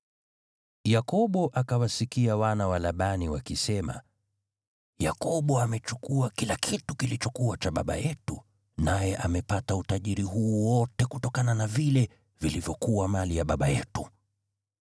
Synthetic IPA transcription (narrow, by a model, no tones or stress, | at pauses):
jakɔɓɔʔakawasikiawanawalaɓaniwakisɛma̰ | ja̰kɔɓɔamɛt͡ʃukuakilakʰitukilit͡ʃɔkuwat͡ʃaɓa̰ɓa̰jɛtu | najɛʔamɛpatautaʄiɾiɦuːwɔtɛkutɔkananavilɛ | vilivjɔkuwamalijaɓaɓajɛtu